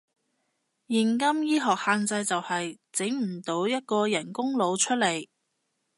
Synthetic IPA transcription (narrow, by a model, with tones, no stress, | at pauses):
jɪ˨˩ŋkɐ˥mjiː˥ɦɔː˨k̚haː˧nt͡sɐ˧jt͡sɐ˨whɐ˨j | t͡sɪ˨˥ŋm̩˨˩t̪o˨˥wjɐ˥t̚kɔː˧jɐ˨˩nkʊ˥ŋlo˨˧wt͡ʃʰɵ˥t̚le˨˩j